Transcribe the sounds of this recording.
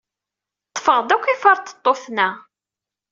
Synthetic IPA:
t̪ˤːfəʁðækʷːifəɾˤt̪ə̥t̪ˤːoθnæ

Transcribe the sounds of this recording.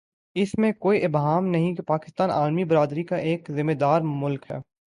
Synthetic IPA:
ɪsmẽkoːiʔɪbɦaːmnɐɦĩkepaːkɪ̥st̪aːnʔa̰ːlmibɪɾaːd̪ɾikaʔeːkzɪmeːd̪aːɾmʊlkɦɛ̰ː

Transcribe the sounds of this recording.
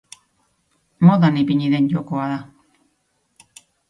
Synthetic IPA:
moðanipiɲiðenɟokoaða

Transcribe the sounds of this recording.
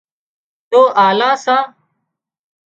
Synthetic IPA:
t̪oːʔaːlãːsãː

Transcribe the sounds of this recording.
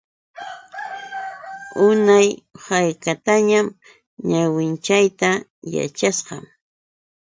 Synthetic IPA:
ʊnajhajkat̪aɲam | ɲawɪnt͡ʃajt̪aja̰t͡ʃasqɑm

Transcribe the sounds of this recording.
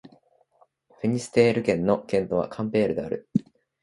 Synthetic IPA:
ɸɯ̟ɲ̟isɨ̥t̪e̞ːɾɯ̟kẽ̞nːo̞kẽ̞nt̪o̞βa̰kʰãmpe̞ːɾɯ̟d̪eaɾɯ̟

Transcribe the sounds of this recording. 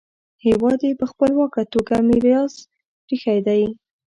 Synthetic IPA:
hewɑd̪jepəxpəlwɑkat̪oɡamɪɾjɑz | pɾixajd̪aj

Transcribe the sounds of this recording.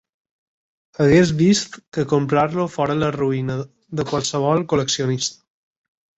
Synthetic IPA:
əɣez̬βist̪kəkompɾaɾlofɔɾələruinə | ðəkwalˠsəβ̞ɔlˠkuləksionist̪ə̥

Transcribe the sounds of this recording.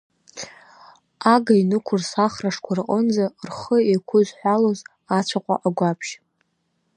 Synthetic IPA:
aɡainɨkʷʰʊrsaχraʂkʷʰarqʼənd͡zarχəekʷʰʊzħʷᶣaloz | at͡ɕʷʰaqʷʼa̰ʔaɡʷapʰʃ

